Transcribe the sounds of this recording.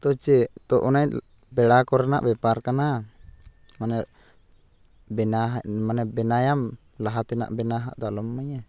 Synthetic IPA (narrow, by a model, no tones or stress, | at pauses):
t̪ɔt͡ʃɛt̪ɔʔɔna | bɛɽakɔɾana̰ʔbɛpaɾkana | manɛ | bɛnaɦmanɛbɛnajam | laɦat̪ɛna̰ʔbɛnaɦaʔd̪alɔmːaɲa